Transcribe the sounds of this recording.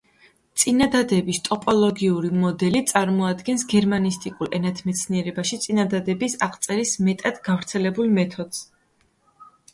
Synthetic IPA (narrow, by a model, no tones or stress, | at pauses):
t̪sʼinad̪ad̪ɛbist̪ʼɔpʼɔlˠɔɡiuɾimɔd̪ɛlit̪sʼaɾmɔad̪ɡɛnsɡɛɾmanist̪ʼikʼulɛnat̪ʰmɛt̪sʰniɛɾɛbaʃit̪sʼinad̪ad̪ɛbisaqʼt̪sʼɛɾismɛt̪ʼad̪̥ɡavɾt̪sʰɛlɛbulˠmɛt̪ʰɔd̪z̥